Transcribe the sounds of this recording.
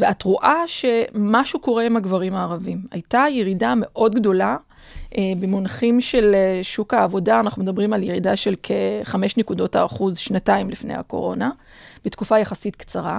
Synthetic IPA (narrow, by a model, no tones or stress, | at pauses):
veatʁuʔaʃe̞maʃuko̞ʁeimaɡvaʁimaːʁavimha̰jtajeʁidame̞ʔo̞dɡdo̞la | ebemonaχimʃe̞lʃukhaːvo̞daanaχnumedabʁimaljeʁidaʃe̞lkʰeχame̞ʃnekudo̞ta̰ːχuzʃnataimlifnḛjha̰ko̞̰ʁo̞̰na | b̥etkufajaχasitkt͡saʁa